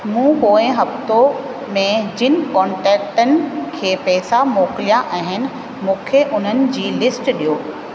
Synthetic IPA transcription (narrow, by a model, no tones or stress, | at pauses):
mũːkoːẽɦɐft̪o | mẽd͡ʑɪnɪ̆kɔ̃ːɳʈɛːk̚ʈənɪ̆kʰeːpɛːsamoːkɪlijaʔɐɦɪnɪ̆ | mũːkʰeʔʊn̤ənɪ̆d͡ʑiːlɪsʈɗijoː